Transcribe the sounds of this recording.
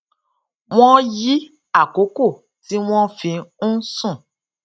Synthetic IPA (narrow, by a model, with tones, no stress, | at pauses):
w̃ɔ̃˦ji˦ | a˦˨ko˨˦ko˦˨ | ti˦w̃ɔ̃˦fĩ˧˦sũ˦˨